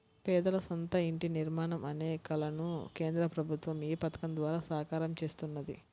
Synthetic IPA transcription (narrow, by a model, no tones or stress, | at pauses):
pɛːd̪ɐlɐsont̪ɐiɳʈiniɾmaːɳɐmɐneːkɐlɐnuke̞ːnd̪ɾɐpɾɐbʱut̪ʋɐmiːpɐt̪ɐ̥kɐmd̪ʋaːɾaːsaːkaːɾɐmt͡ʃe̞ːst̪unːɐd̪ḭ